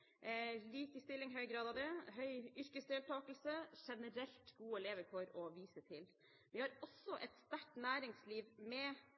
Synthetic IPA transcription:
liːkəst̪ɪlːɪŋɦœʏɡɾɑːd̪ɑːʋd̪ɛɦœʏʏɾkəsd̪eːlt̪ʰɑːkəl̩səʂɛnəɾɛlt̪ɡuːəɛleːʋəɾfɔɾɔʋiːsət̪ʰɪl | ʋɪhɑɾɔsːɔʔɛt̪st̪æʈnæːɾɪŋsliːʋmɛ

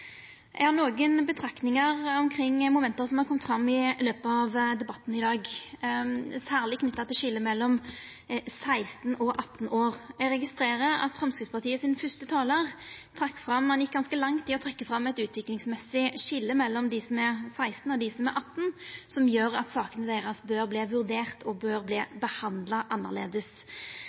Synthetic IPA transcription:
ʔɛ̰hɑʁnoːɡənbət̪ʰɾɑkt̪nɪŋəʁɔmkʰɾɪŋːmʊmɛnt̪əsɔmhɑɾkʰɔmt̪fɾɑmːɪløːpəɑʋd̪ɛbɑt̪n̩ɪd̪ɑːɡ | sæːʁlɪkʰnʏt̪ːɑt̪ʰɪlʃɪlːəmɛlːɔm | sæɪst̪n̩ɔʔɑt̪ːn̩oːʁɛɡɾɛɡɪst̪ɾeːɾəɾɑ̰t̪fɾɑmskɾɪt̪spɑʁt̪ʰiːəsɪnfœst̪ət̪ʰɑːləʁt̪ʰɾɑkːfʁɑmːɑnjɪk̚ːɡɑnskəlɑŋt̪ɪɔt̪ʰʁɛkːəfʁɑmːɛt̪ʉːt̪ʰʋɪklɪŋsmɛsːɪʃɪlːəmɛlːɔmd̪ɪsɔmɛsæɪst̪n̩ɔd̪ɪsɔmɛʔɑt̪ːn̩sɔmjøːɾɑt̪sɑːkənəd̪æɪʁəsbøːʁbliːʋʉʁd̪eːʁt̪ʰɔbøːʁbliːbəhɑnd̪lɑʔɑnːə̰ʁlḛːd̪əs

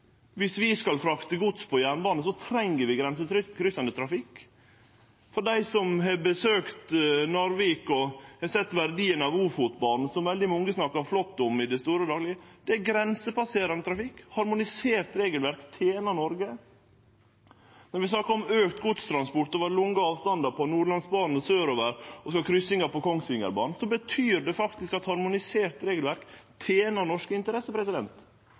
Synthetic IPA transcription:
ʋɪsʋɪskɑlfɾɑkt̪əɡʊt̪spʰɔjænbɑːnəsɔt̪ʰɾɛŋːəɾʋɪɡɾɛnsət̪ɾʏkʰɾʏsɑnd̪ət̪ʰɾɑfɪkː | fɔɖæɪsɔmɦɛbəsøːkt̪nɔɾʋiːkɔhɛsɛt̪ːʋæɾd̪iːənɑʋuːfuːt̪bɑnn̩sɔmʋɛld̪ɪmɔŋɡəsnɑkːɑɾflɔt̪ːɔmɪd̪ɛst̪uːɾəd̪ɑːɡlɪəd̪̥ɛæɡɾɛnsəpɑseːɾɑnət̪ʰɾɑfɪkːhɑɾmʊnɪseːɾt̪ɾeːɡəlʋæɾkt̪ʰeːnɑɳɔɾɡə | nɔɾʋɪsnɑkɑɔmøːkt̪ɡʊt̪st̪ʰɾɑnspɔʈ̪ɔʋɑɾlʊŋːəɑːʋst̪ɑnd̪ɑpʰɔɑnuːɭɑnsbɑːnn̩søːɾoːʋəɾɔskɑkʰɾʏsɪŋəɾpɔkʰɔŋsɪŋə̰ɾbɑ̰ːn̩sɔbət̪ʰyːɾɖɛfɑkt̪ɪskɑt̪hɑɾmʊnɪseːɾt̪ɾeːɡəlʋæɾkt̪ʰeːnəɾɳɔʂkəɪnt̪əɾɛsəpʰɾɛsɪd̪ɛnt̪

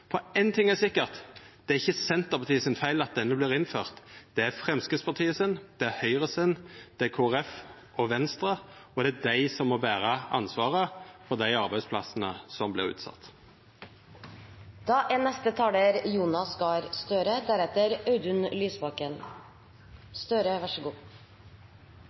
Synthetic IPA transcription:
fɔæɪnt̪ʰɪŋːæsɪkːəʁt̪d̪̥ɛæɾɪçːəsɛnt̪əpʰɑt̪ʰiːəsɪnfæɪlɑt̪̚d̪ɛnːəblɪːʁɪnføːʁt̪d̪̥ɛæɾfʁɛmskəspʰɑt̪ʰiːəsɪnd̪̥ɛæɾhœʏʁəsɪnd̪̥ɛækʰoːʁɛf | ɔʋɛnst̪ɾəɔd̪ɛæd̪æɪsɔmːoːbæːʁəɑ̰nsʋɑːʁəfɔʁd̪æɪɑʁbæɪspʰlɑsənəsɔmblɪɾʉ̰ːt̪sɑ̰t̪ː | d̪̥ɑːʔɛnːɛst̪ət̪ʰɑːləɾjuːnɑsɡɑɾst̪øːɾəd̪æɾɛt̪əɾɑʉd̪ʉnlyːsbɑkən | st̪øːɾəʋɑʂəɡuː

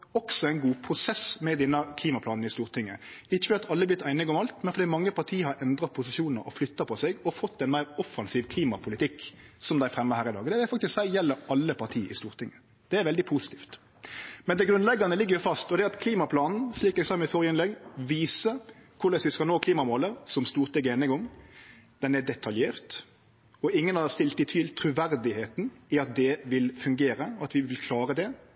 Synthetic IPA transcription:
ɔksɔæɪnɡuːpʰɾʊsɛsmɛd̪ɛnːəkʰliːmɑpʰlɑːnn̩ɪst̪uːʁt̪ʰɪŋːəɪçːəfɔd̪iːɑt̪ʰɑlːəblɪt̪ːʰæɪnɪɡɔmɑlt̪mɛnfɔɾd̪iːmɑŋːəpɑʁt̪ʰiːəhɑɾʔɛnd̪ɾɑpʰʊsɪʃuːnəɾɔ̰flʏt̪ːɑpʰɔsɛɡɔfɔt̪ːɛnmæɪɾɔfːɑnsiːʋkʰliːmɑpʰʊlɪt̪ʰɪksɔmd̪æɪfɾɛmːəhæːɾɪd̪ɑːɡd̪ɛʋɪfɑkt̪ɪsksæɪjɛlːəɾɑlːəpʰɑt̪ʰiːɪ̰st̪uːʁt̪ʰɪŋːə | d̪̥ɛæɾʋɛld̪ɪpʰusɪ̥t̪ʰiːft̪ | mɛnd̪ɛɡɾʉnlɛɡːɑnəlɪɡːəjʊfɑst̪ɔd̪ɛɑt̪kʰliːmɑpʰlɑːnn̩sliːkɛɡsɑmɪt̪fɔɾjɪnlɛɡʋiːsəkʰʊɾd̪ɛsʋɪskɑlnoːkʰliːmɑmoːləɾsɔmst̪uːɾt̪ʰɪɡeːnɪŋɡɔŋ | d̪̥ɛnɛd̪ɛt̪ʰɑljeːʁt̪ | ɔɪŋːənɑst̪ɪlt̪ɪt̪ʰʋɪlt̪ʰɾʉʋæɾd̪ɪheːt̪n̩ɪɑt̪̚d̪ɛʋɪlfʉŋɡeːɾəɑt̪ʋɪʋɪlkʰlɑːɾəd̪ɛ

